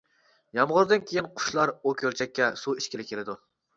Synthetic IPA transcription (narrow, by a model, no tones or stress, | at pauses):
jɑmʁʊɾd̪ɨnkʲʰejinqʰʊ̥ʃlˠɑɾukʲʰøɾt͡ʃʰɛkʲːɛsuiʃkʲelɪkʲʰelɪd̪u